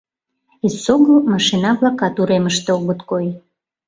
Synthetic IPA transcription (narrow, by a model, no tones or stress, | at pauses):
isoɣəlmɑʃinɑβlɑkɑt̪uɾeməʃt̪eoɣət̪koj